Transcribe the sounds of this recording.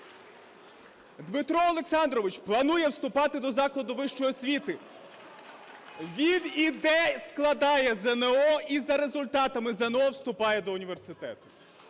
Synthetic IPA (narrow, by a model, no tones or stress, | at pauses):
d̪mɪt̪ɾɔːlˠe̞ksɑnd̪ɾɔʋɪt͡ʃplˠɐnujɛwst̪ʊpɑt̪ɪd̪ɔzɑklˠɐd̪ʊʋɪʃt͡ʃɔjɔsʲʋʲit̪ɪ | ʋʲid̪id̪ɛsklˠɐd̪ɑjɛzɛneɔizɐɾe̞zʊlʲt̪ɑt̪ɐmɪzɛnɔwst̪ʊpɑjɛd̪ɔʊnʲiʋersɪt̪ɛ̰t̪ʊ̥